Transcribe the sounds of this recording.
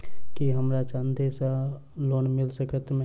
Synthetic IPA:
kiɦəmɾat͡ʃãnd̪esa | loːnmɪlsəkət̪mẽ

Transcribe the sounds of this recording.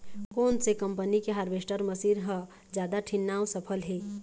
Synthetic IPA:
koːnsekə̃mpənikeɦaɾbeːsʈəɾməsiːɾɦə̃ | d͡ʒjaːd̪aʈʰɪnːaːwsəpʰəlɦeː

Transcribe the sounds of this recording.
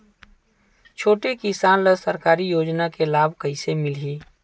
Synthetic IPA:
t͡ʃʰoːʈekɪsaːnləsəɾkaːɾijoːd͡ʒnakelaːbʱkəisemɪlɦiː

